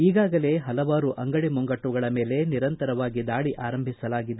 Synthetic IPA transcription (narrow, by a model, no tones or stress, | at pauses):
iːɡaːɡɐle̞ɦɐlɐʋaːɾuʔʔɐŋɡɐɽimɔŋɡɐʈːuɡɐɭɐme̞ːle̞niɾɐnt̪ɐɾɐʋaːɡid̪aːɭiʔaːɾɐmbʱisɐlaːɡid̪e